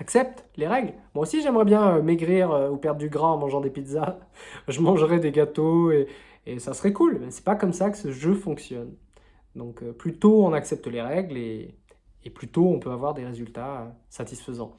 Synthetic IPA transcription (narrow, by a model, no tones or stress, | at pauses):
aksɛp̚t̪leʁɛɡlmwaosiʒɛmʁɛbjɛ̃meɡʁiʁøupɛʁd̪ʁd̪yɡʁãɑ̃mɑ̃ʒɑ̃d̪epid̪zaʒəmɑ̃ʒʁɛd̪eɡat̪oe | esasχɛkulmɛsɛ̥pakɔmsakə̥səʒøfɔ̃ksjɔn | d̪ɔ̃køplyt̪oɔ̃naksɛp̚t̪əleʁɛɡleː | plyt̪oɔ̃pøavwaʁd̪eʁezylt̪aøsat̪isfəzɑ̰̃